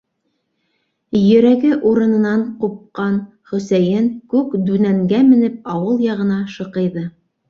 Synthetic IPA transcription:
jɵ̆ɾæɡɘʔuɾɤ̆nɤ̆nɑɴqup̚qɑn | χɵ̆sæjɘŋkʉkd̪ʉnæŋɡæmɘ̆nɘp̚ɑwɤlˠjɑʁɤ̆nɑʃɤ̆qɤ̆jðɤ

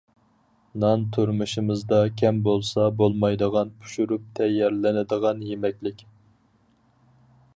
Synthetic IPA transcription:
nɑnt̪ʰuɾmɨʃimɨzd̪ɑkʲʰɛmbolˠsɑbolˠmɑjd̪əʁɑnpʰu̥ʃyɾup̚t̪ʰɛjɛɾlɪnɪd̪əʁɑnjemɛkʲlɪkʲ

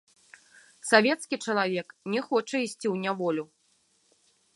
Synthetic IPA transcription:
savʲɛt̪skʲit͡ʂɐlˠavʲɛknʲɛxɔt͡ʂɐisʲt͡sʲiwnʲavɔlʲu

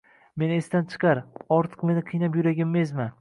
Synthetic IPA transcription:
me̞nest̪ant͡ʃʰɨ̥qʰɑɾɒɾt̪ʰɨ̥qme̞nɪqʰɨjnapjʊɾaɡʲɪmːezma

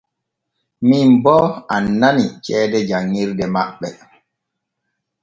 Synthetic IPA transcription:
mimbɔanːanit͡ʃɛːdɛd͡ʒaŋːiɾdɛmaɓːɛ

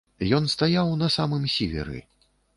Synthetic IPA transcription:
jɔnst̪ajawnɐsamɨmsʲevʲɛ̰ɾɨ̰

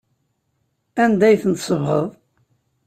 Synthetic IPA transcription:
ænd̪æjθənt̪səvʁəðˤ

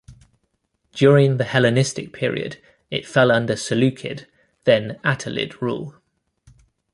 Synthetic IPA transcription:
d̥jɔːɹɪ̃ŋðəhɛlɪnɪstɪk̚pʰɪəɹḭə̰d | ɪ̰tfɛlʌ̃ndəsəlʉˑkʰɪ̰d | ðə̃natʰəlɪ̰dɹṵːlˠ

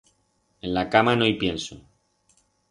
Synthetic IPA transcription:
e̞nlakamanojpje̞nso

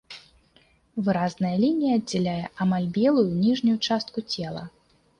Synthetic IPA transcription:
vɨɾaznɐjɐlʲinʲijɐːdʲd͡zʲɛlʲajɛʔamalʲbʲɛlˠujunʲiʐnʲujut͡ʂast̪̚kut͡sʲɛlˠɐ̰

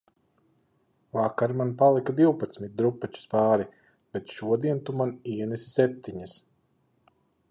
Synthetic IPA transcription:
vakaɾmanpalˠikad̪iwpat̪smit̪̚d̪ɾupːat͡ʃu̥spaːɾi | b̥et̪ʃuɔd̪iɛnt̪umaniɛnɛsisɛp̚t̪iɲas

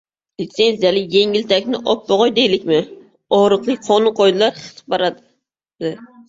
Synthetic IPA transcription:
lit̪senzijalɪjeŋʲɪlt̪ʰɛkʲnɪʔɔp̚boʁɑjd̪ejlɪkʲmɪ | ɔɾɨqˠɨjqʰɑnɨqojd̪ɨlˠɑɾχə̥t̪ə̥p̚bɑɾɑd̪ɪ | d̪ɪ

